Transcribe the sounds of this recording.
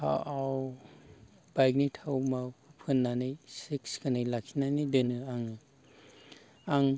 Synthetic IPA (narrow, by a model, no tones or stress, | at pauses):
pʰa̰ʔaw | b̥ajk̚nitʰawmawpʰɯnːanɯjsikskʰanɯjlakʰinanidɯnɯaŋɯ | aŋ